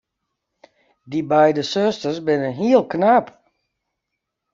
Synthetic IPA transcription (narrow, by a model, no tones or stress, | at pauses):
dibɛjdəsøstərsbɪnənɦiəlˠknaːp